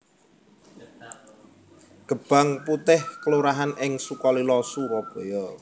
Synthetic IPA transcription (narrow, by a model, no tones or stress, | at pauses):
ɡ̥ə̤b̥a̤ŋput̪ɪhkəluɾaɦanʔɪŋsukɔlilɔsuɾɔb̥ɔjɔ